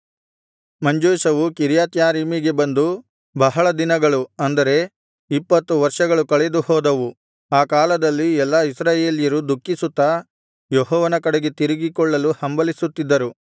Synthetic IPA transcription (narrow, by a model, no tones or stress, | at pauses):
mɐɲd͡ʒoːʃɐʋukiɾjaːt̪jaːɾiːmiɡe̞bɐnd̪u | bɐɦɐɭɐd̪inɐɡɐɭuɐnd̪ɐɾe̞ | ipːɐt̪ːuʋɐɾʂɐɡɐɭukɐɭed̪uhɔːd̪ɐʋu | aːkaːlɐd̪ɐlːiɛlːaisɾaːje̞ːljɐɾud̪ukːisut̪ːɐ | jɔɦɔːʋɐnɐkɐɽeɡet̪iɾiɡikɔɭːɐluhɐmbɐlisut̪ːid̪ːɐɾu